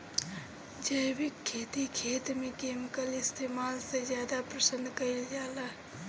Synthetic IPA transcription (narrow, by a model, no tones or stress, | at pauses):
d͡ʒəɪbɪkʰːeːt̪ikʰeːt̪mẽkeːmkəlɪst̪ʰeːmaːlsezjaːd̪apɾəsənd̪ʱkəɪld͡ʒaːlaɦ